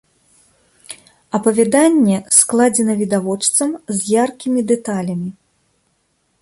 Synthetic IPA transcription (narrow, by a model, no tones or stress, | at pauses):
ɐpɐvʲɛd̪anʲːɛsklˠad͡zʲɛnɐvʲid̪avɔt͡ʂt̪sɐmzʲjarkʲimʲid̪ɛt̪alʲɐmʲi